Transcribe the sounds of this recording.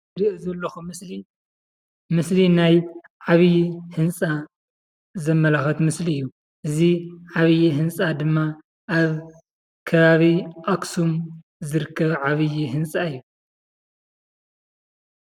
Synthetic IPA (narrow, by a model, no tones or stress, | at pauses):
ɾiʔzɐlːɐxu | mɨslinaj | ʕaβjihɨnsʼa | zɐmːɐlaxɐt̪mɨsliɨjːu | ʔɨziʕaβɨjiɦɨnsʼad̪ɨmːa | ʔaβ | kʰɐβaβiʔaksum | zɨɾɨkʰːɐβʕaβɨjiɦɨnsʼaɨjːu